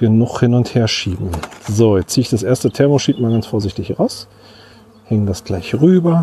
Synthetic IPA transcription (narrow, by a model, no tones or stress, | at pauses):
ɡ̥ənʊχhɪnʊntheːɐʃiːbm̩zoːjɛt͡siːɪçd̥asʔeːɐstətʰɛɐmoʃiːp̚tmaːlɡansfoːɐzɪçtɪçʁaʊs | hɛŋdasɡ̥laɪçʁyːbɐ